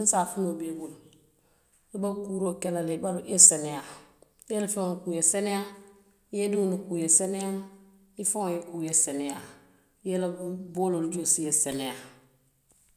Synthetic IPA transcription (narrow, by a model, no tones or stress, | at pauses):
nsafunobeɡul | libakuɾokelalebaluʔeseneja | jelafionukujeseneja | jedunukujeseneja | ifoŋjekujeseneja | jelaboːlold͡ʒosijesenea